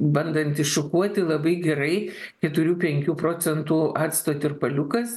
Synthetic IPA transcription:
bɐnd̪ɐnʲt̪ʲɪʃʊkuɔt̪ʲɪlˠɐbɐɪɡʲɛɾɐɪkʲɛt̪ʊɾʲuːpʲɛŋʲkʲuːpɾoːt͡ssʲɛnt̪uːɑːt̪st̪oːt̪ʲɪrpɐlʲʊkɐs

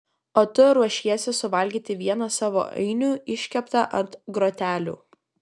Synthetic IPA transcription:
oːt̪ʊɾuɔʃʲiɛsʲɪsʊʋɐlʲɡʲiːt̪ʲɪʋʲiɛnɐsɑːʋo̰ːʔɐ̰ɪnʲuːɪʃʲkʲɛpt̪ɑʔɐnt̪ɡɾoːt̪ʲæːlʲṵː

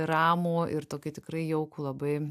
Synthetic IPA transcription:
ɾɑːmoːʔɪrt̪oːkʲɪt̪ʲɪkɾɐɪjɛʊkuːlˠɐbɐɪ

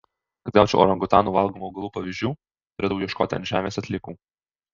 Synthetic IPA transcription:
kɐd̪ɡɑːt͡ʃʲɛ̰ʊʔo̰ːɾɐŋɡʊt̪ɑːnuːʋɐlˠɡoːmoːʊɡɐlˠuːpɐʋʲiʒʲd͡ʒʲuː | t̪ʊɾʲeːd̪ɐʊjiɛʃkoːt̪ʲɪɐ̰nʒʲæ̰ːmʲeːsɐt̪ʲlʲɪkuː

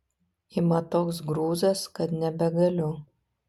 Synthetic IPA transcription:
ɪmɐt̪oːks̬ɡɾuːzɐskɐt̪nʲɛbʲɛɡɐlʲʊ

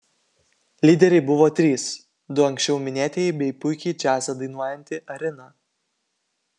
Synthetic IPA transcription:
lʲiːd̪ʲɛɾʲɛɪbʊʋoːt̪ʲɾʲiːs | d̪ʊɐŋʲksʲt͡ʃʲɛʊmʲɪnʲæːt̪ʲebʲɛɪpʊɪkʲɛɪt͡ʃʲæːsʲɛd̪ɐɪnuɔjɛnʲt̪ʲɪʔɐɾʲɪnɑ

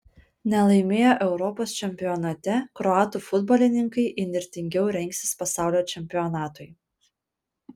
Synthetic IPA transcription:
nʲɛlˠɐɪmʲeːjoʔɛʊɾɔpoːst͡ʃʲɛmʲpʲɪjɔnɐt̪ʲɛkɾɔɑːt̪ufʊd̪bɔːlʲɪnʲɪŋkɐɪʔɪnʲɪɾʲt̪ʲɪŋʲɡʲɛʊɾʲɛŋʲksʲɪspɐsɑˑʊlʲoːt͡ʃʲɛmʲpʲɪɔnɑːt̪ʊɪ

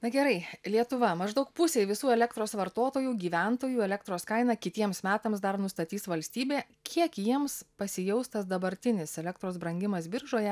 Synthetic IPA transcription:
nɐɡʲɛɾɐɪlʲiɛt̪ʊʋɐmɐʒd̪ɐʊk̚pʊsʲeʋʲɪsuːɛlʲɛkt̪ɾoːsʋɐɾt̪oːt̪oːjuːɡʲiːʋʲænt̪oːjuːɛlʲɛk̚t̪ɾoːskɐɪnɐkʲɪt̪ʲiɛmsmʲæːt̪ɐmsd̪ɐɾnʊst̪ɐt̪ʲiːsʋɐlʲsʲt̪ʲiːbʲeː | kʲʰiɛkjiɛmspɐsʲɪjɛʊst̪ɐsd̪ɐbɐɾʲt̪ʲɪnʲɪsɛlʲɛkt̪ɾoːsbɾɐŋʲɡʲɪmɐsbʲɪɾʒoːjɛ

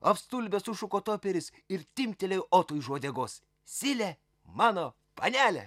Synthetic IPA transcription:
ɐfst̪uːlʲbʲɛsʊʃʊkoːt̪oːpʲɛɾʲɪs | ɪɾt̪ʲɪmʲt̪ʲɛlʲɛjoːt̪ujʒoɔd̪ʲɛɡoːs | sʲɪlʲɛ | mɑːno | pɐ̰nʲæːlʲɛ̰

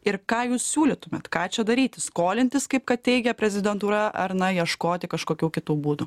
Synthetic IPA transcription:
ɪɾkɑːjuːssʲuːlʲɪt̪ʊmʲet̪kɑːt͡ʃʲɛd̪ɐɾʲiːt̪ʲɪskoːlʲɪnʲt̪ʲɪskɐɪp̚kɐt̪̚tʲɛɪɡʲɛpʲɾʲɛzʲɪd̪ʲɛnt̪uːɾɐʔɐɾnɐjiɛʃkoːt̪ʲɪkɐʃkoːkʲuːkʲɪt̪uːbuːd̪ʊ

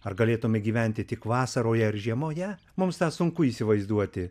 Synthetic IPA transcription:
ɐrɡɐlʲeːt̪ʊmʲɪɡʲiːʋʲɛnʲt̪ʲɪt̪ʲɪkʋɑːsɐɾoːjɛɪɾʒʲiɛmoːjɛ | mʊmst̪ɑːsʊŋkʊiːsʲɪʋɐɪzd̪uɔt̪ʲɪ

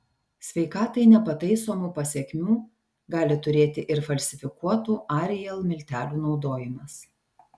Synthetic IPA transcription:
sʲʋʲɛɪkɑːt̪ɐɪnʲɛpɐt̪ɐɪsoːmuːpɐsʲɛkʲmʲuː | ɡɑːlʲɪt̪ʊɾʲeːt̪ʲɪʔɪɾfɐlʲsʲɪfʲɪkuɔt̪uːʔɑːɾʲɛjɛlˠmʲɪlʲt̪ʲæːlʲuːnɒʊd̪oːjɪmɐs

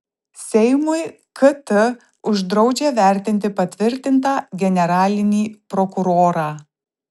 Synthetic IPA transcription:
sʲɛɪmʊɪ | kɐt̪ɪ | ʊʒd̪ɾɒʊd͡ʒʲeːʋʲæˑɾʲt̪ʲɪnʲt̪ʲɪpɐt̪ʲʋʲɪɾʲt̪ʲɪnt̪ɑːɡʲɛnʲɛɾɑːlʲɪnʲiːpɾɔkʊɾoːɾɑː

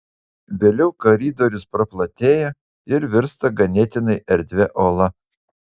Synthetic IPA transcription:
ʋʲeːlʲɛʊkɐɾʲiːd̪oːɾʲʊspɾɐplˠɐt̪ʲeːjɛ | ɪɾʋʲɪɾst̪ɐɡɐnʲɛt̪ʲɪnɐɪʔɛɾʲd̪ʲʋʲɛʔoːlˠɐ

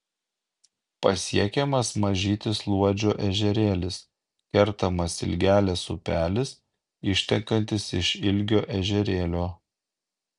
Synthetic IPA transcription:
pɐsʲiɛkʲɛmɐsmɐʒʲiːt̪ʲɪslˠuɔd͡ʒʲoːʔɛʒʲɛɾʲeːlʲɪs | kʲɛɾˑt̪ɐmɐsɪ̰lʲɡʲæːlʲɛsʊpʲæːlʲɪs | ɪʃʲt̪ʲɛŋkɐnʲt̪ʲɪsɪʃɪlʲɡʲoːʔɛʒʲɛɾʲeːlʲoː

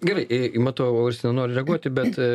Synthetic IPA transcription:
ɡʲɛrɐɪʔɪɪmɑːt̪oːoːɪɾʲsʲɪnʲɛnoːɾʲɪɾʲɛɡuɔt̪ʲɪbʲɛt̪

